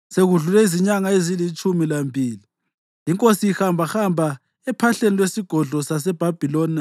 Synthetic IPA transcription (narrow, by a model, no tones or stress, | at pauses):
seɣuɮulɛiziɲaŋaezilit͡ʃʼumilambʱiːli | jiŋkʼosiihambʱaxambʱa | ɛpʰaɬenilwesiɡ̥ʱɔɮʱɔsas̬ɛb̥ʱab̥ʱilɔːna